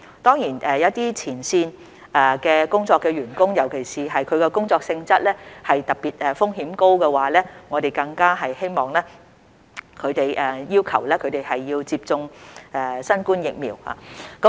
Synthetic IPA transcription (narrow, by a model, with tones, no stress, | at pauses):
t̪ɔː˥ŋjiː˨˩nʔɛː˨jɐ˨˥t̪iː˥t͡sʰiː˨˩nsiː˧n | ɛ˨˧kɛː˧kʊ˥ŋt͡sɔː˧kːɛː˧ɥyː˨˩nkʊ˥ŋjɐ˨˩wkʰe˨˩jsiː˨ɦɐ˨jkʰɵ˨˧ɥkɛ˧kʊ˥ŋt͡sɔː˧k̚sɪ˧ŋt͡sɐ˥t̚lɛː˥hɐ˨jt̪ɐ˨k̚piː˨t̚ɛ˨˩fʊ˥ŋɦiː˨˥mko˥wkɛː˧waː˨˥lɛː˥ŋɔː˨˧t̪e˨jkɐ˧ŋkaː˥ɦɐ˨jhe˥jmɔː˨˩ŋlɛː˥ | kʰɵ˨˧t̪e˨jɛː˨jiː˥wkʰɐ˨˩wlɛː˥kʰɵ˨˧ɥt̪e˨jhɐ˨jːiː˧wt͡siː˧p̚t͡sʊ˧ŋʔɛ˨˧sɐ˥nkuː˥njɪ˨k̚mḭː˨˩wha̰ː˨k